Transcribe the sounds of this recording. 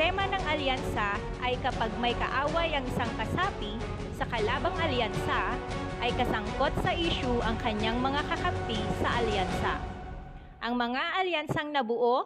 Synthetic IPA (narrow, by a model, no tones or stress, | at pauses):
ɛmɐnɐŋɐljansɐ | ʔɐjkɐpaɡ̚mɐjkɐ̰ʔaːwɐjɐŋɪsaŋkɐsaːpi | sɐkɐlaːbɐŋʔɐljansɐ | ʔɐjkɐsɐŋko̞t̪̚sɐʔiːʃuʔɐŋkɐɲaŋmɐŋakɐkɐmpisɐʔɐljansɐ̰ | ʔɐŋmɐŋaʔɐljansɐŋnɐbʊʔo